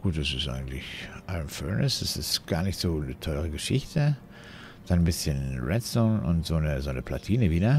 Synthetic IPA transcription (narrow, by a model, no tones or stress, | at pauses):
ɡ̥uːt̚d̥asɪstʔa̰ɪɡŋ̩tlɪçʔaɪʁənfœɐnəsd̥asɪstɡ̥aːɐnɪçtz̥oːnətʰɔlʁəɡəʃɪçtʰə | d̥annbɪsçənʁɛtsɔnʔʊ̰ntz̥oːnəzoːnəpʰl̥a̰tʰiːnəviːdɐ